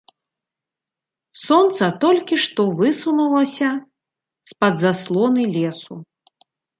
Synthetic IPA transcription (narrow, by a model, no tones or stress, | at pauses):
sɔnt̪sɐt̪ɔlʲkʲiʂt̪ɔvɨsunulˠɐsʲɐ | spɐd̪zaslˠɔnɨlʲɛsu